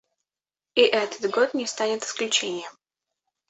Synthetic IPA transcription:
iʔɛt̪ə̥t̪ɡo̞t̪nʲɪst̪anʲɪt̪ɨ̥sklʲʉt͡ɕenʲɪjəm

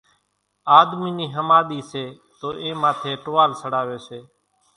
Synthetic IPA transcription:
aːd̪miːniːɦəmaːɗ̪iːseː | t̪oːʔẽːmaːt̪ʰeːʈoːaːlsəɽaːʋeːseː

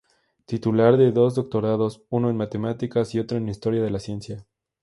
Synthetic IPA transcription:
t̪it̪ulaɾðe̞ðo̞zðo̞k̚t̪o̞ɾaðo̞suno̞e̞nmat̪e̞mat̪ikasio̞t̪ɾo̞enist̪o̞ɾjað̞elasje̞nsja

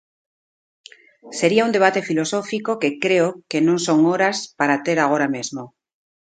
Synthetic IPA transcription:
seɾiaũnd̪e̞β̞at̪e̞filo̞sofikokekɾeokenõŋsoŋoɾaspaɾat̪eɾaɣ̞oɾamezmo

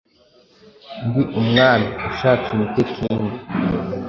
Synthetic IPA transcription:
ŋɡwiʔumŋaːnauʃaːt͡simitekʰiːndi

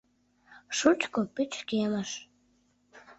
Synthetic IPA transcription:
ʃut͡ʃkopyt͡ɕkeməʃ

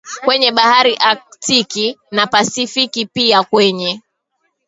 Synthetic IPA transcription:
kwɛɲɛɓahaɾiʔatikinapasifikipiakwɛɲɛ

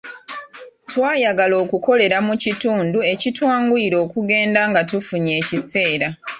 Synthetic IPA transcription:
twaːjaɡalo̞ːkuko̞le̞ɾamucituːndue̞citwaːŋɡuiɾo̞ːkuɡe̞ːndaŋɡatufuɲe̞ːcise̞ːɾa

